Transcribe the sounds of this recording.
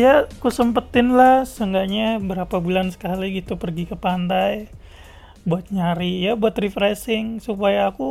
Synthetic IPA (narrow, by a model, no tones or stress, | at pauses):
jakusəmpət̪ɪnlahsəŋɡaɲabəɾapabulansə̥kaliɡit̪upərɡikəpant̪aj | buat̪̚ɲaɾijabuat̪rifɾɛsɪŋsupajaːku